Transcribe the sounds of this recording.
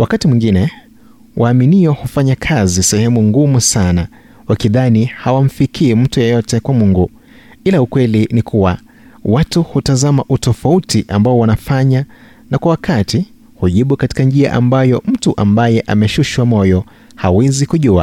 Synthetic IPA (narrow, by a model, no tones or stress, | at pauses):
wakatimwiŋɡinɛ | wʔaːminiɔhufaɲakʰazisɛhɛmuŋɡumusana | wakiðanihawam̩fikʰiːm̩tujɔjɔtɛkwamuŋɡu | ilaukwɛlinikʰuwa | watuhutazamaʔutɔfautiʔambaɔwanafaɲa | nakwawakʰati | huʄiɓukati̥kand͡ʒia̰ʔambajɔm̩tuʔambajɛʔa̰mɛʃuʃwamɔjɔ | hawɛzikuʄua̰